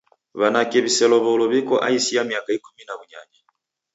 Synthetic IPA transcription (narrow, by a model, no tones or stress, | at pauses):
βanakɛβisɛlɔβɔulɔβikɔʔa̰isiamiakaikuminaβuɲa̰ɲi